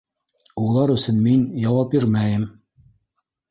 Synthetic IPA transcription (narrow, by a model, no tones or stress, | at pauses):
ulˠɑɾɵ̆sɘnminjɑwɑp̚biɾmæjɘm